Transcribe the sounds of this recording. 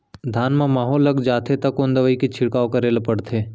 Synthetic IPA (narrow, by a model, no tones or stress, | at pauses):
d̪ʱaːnmãmaːɦoːlːɐɡd͡ʒaːt̪ʰet̪ɐkːond̪əʋəiket͡ʃʰɪɽkaːokɐɾeːlepɐɽt̪ʰeː